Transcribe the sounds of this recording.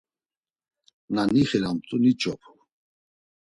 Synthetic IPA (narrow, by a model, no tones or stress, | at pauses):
naniχɛɾamt̪ʼunit͡ʃʼɔpʰ